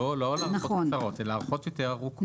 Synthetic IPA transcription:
oloalanaonaʁot̪elaːʁχot̪joteʁaʁuk

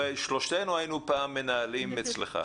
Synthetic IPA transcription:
ejʃloʃt̪ejnuhajinupaːmːenaalimet͡sleχa̰

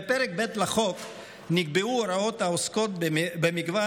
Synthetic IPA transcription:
peɾek̚bet̪laχok | niɡbeuoɾao̞t̪haosko̞t̪̚bbemiɡva

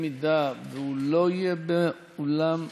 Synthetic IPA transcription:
mid̪aveulo̞jebe | olam

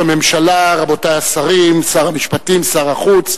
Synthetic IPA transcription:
ame̞mʃalaʁabotajasaʁimsaʁamiʃpatimsaʁaχut͡s

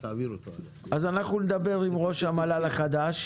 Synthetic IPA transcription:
t̪aviɾot̪o | azanaχnuned̪abe̞ʁimʁo̞ʃhamalalaχad̪aʃ

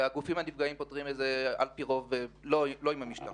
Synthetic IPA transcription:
aɡufimhanifɡaimpotʁimeze̞a̰lpiʁo̞velolo̞imamiʃla̰m

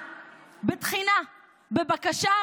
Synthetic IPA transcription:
bet̪χina | bebakaʃa

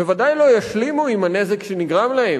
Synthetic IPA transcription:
bevad̪ajlo̞jaʃlimuimhane̞zekʃeniɡʁamlahe̞m

